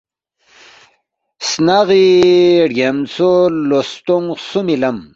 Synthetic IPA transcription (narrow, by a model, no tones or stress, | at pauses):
snaʁiɖjemt͡solost̪uŋsumilɐm